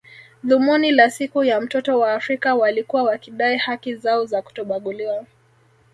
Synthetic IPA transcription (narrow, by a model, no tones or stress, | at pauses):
ðumunilasikujam̩tɔtɔwaːfɾikawalikuwawakiɗaihakizaɔzaku̥tɔɓaɠuliwa